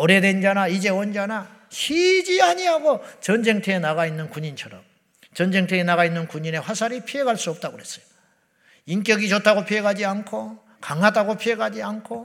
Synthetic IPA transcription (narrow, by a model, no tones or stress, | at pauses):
ʌɾedwend͡ʑanaid͡ʑe̞wʌnd͡ʑana | ɕʰid͡ʑiaɲiɦaɡot͡ɕʌnd͡ʑe̞ŋtʰeenaɣainːɯnkuɲint͡ɕʰʌɾʌm | t͡ɕʌnd͡ʑe̞ŋtʰeenaɣainːɯnkuɲine̞wasʰaɾipʰiɦe̞ɡaɭs͈uʌp̚t͈aɡoɦe̞s͈ʌ̥jo̥ | ink͈jʌɡit͡ɕotʰaɡopʰiɦe̞ɡad͡ʑiankʰo | kaŋɦadaɡopʰie̞ɡad͡ʑiankʰo